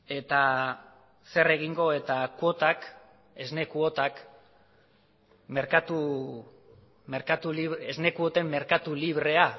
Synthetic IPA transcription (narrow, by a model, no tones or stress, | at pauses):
e̞t̪a | se̞re̞ɣ̞iŋɡo̞e̞t̪akwo̞t̪ak | e̞zne̞kuot̪ak | me̞ɾkat̪u | me̞ɾkat̪uliβezne̞kuo̞t̪e̞mːe̞ɾkat̪uliβɾe̞a